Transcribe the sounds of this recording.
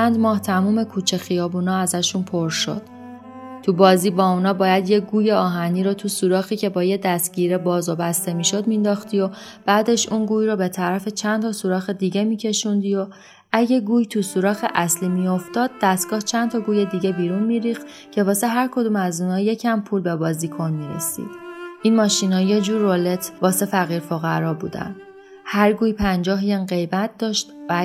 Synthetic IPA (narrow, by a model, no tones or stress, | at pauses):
ænd̪mɒːht̪ʰæmuːme̞kʰuːt͡ʃʰe̞xijɒːbuːnɒːæzæʃunpʰo̞ɾʃo̞̰d̪̥ | t̪ʰubɒːziːbɒːunɒːbɒːjæd̪je̞ɡuːjeɒːɦæniːɾɔt̪ʰusuːɾɒːxiːcʰe̞bɒːjed̪æst̪̚ɟiːɾebɒːzɒbæst̪e̞miːʃo̞d̪mind̪ɒːxt̪ijo̞b̥æːd̪e̞ʃunɡuːjɾɔːbe̞t̪ʰæɾæfe̞t͡ʃʰænt̪ʰɒːsuɾɒːxed̪iɟe̞miːcʰe̞ʃund̪iːjo̞ | ʔæɟe̞ɡuːjt̪ʰusuɾɒːxeʔæsliːmijo̞ft̪ɒːd̪̚ːæst̪ɡ̥ɒːht͡ʃʰænt̪ʰɒɡuːje̞d̪iɟe̞biːɾunmiːɾiːxt̪ | cʰe̞vɒːse̞ɦæɾkʰo̞d̪umæzuːnɒːje̞cʰæmpʰuːlbe̞bɒːziːkʰo̞nmiːɾḛsḭːd̪̥ʔinmɒːʃinhɒːje̞d͡ʒuːɾːole̞t̪ʰvɒːse̞fæɣiːɾfoɣæɾɒːbṵːd̪æ̰n | hæɾɡuːjpʰænd͡ʒɒːɦjenɢe̞jbæt̪̚ʰd̪ɒːʃt̪væ